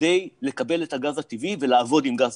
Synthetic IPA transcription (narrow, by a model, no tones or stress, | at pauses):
e̞jle̞kabe̞letaɡazat̪ivive̞laːvo̞dimɡaz